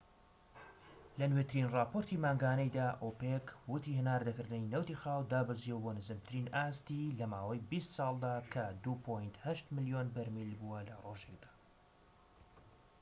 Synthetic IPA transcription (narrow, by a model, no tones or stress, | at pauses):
lɐnwet̪ɨɾinrɑːpoɾt̪ʰimaːŋɡaːnɐjd̪aːʔoːpekwʊt̪iːhɨnaːɾd̪ɐkɨɾd̪ɨninɐwt̪iːxaːwd̪aːbɨzijɛwboːnɨzɨmt̪ʰɨɾiːnaːst̪ilɐmaːwɐjbist̪sˤɑːlˠd̪aːkʰɐd̪upʰojnt̪hɐʃt̪mɨlijonbɐɾmilbuwɐlɐroːʒek̚d̪ḁː